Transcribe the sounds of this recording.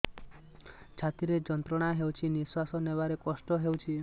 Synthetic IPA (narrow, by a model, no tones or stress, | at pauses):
t͡ʃʰat̪iɾed͡ʒɔnt̪ɾɔɽ̃aɦewt͡ʃʰiniswasɔnebaɾekɔsʈɔɦewt͡ʃʰi